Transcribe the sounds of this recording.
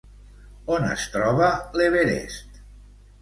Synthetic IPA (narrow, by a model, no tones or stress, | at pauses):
onə̰st̪ɾɔβaleβeɾḛst̪